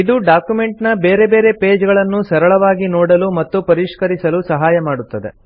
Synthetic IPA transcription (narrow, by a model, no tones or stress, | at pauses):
id̪uɖaːkjume̞ɳʈnɐbeːɾe̞be̞ːɾe̞pe̞ːd͡ʒɡɐɭɐnːusɐɾɐɭɐʋaːɡinɔːɽɐlumɐt̪ːupɐɾiʂkɐɾisɐlusɐɦaːjɐmaːɽut̪ːɐd̪e̞